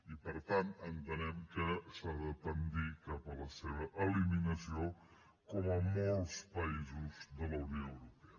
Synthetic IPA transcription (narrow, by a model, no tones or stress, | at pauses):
ipəɾt̪ant̪ənt̪ənɛmkəsaðət̪ənd̪ikapələseβəʔəliminəsio | kɔməmolˠspəizuzðələwnjoəwɾupeə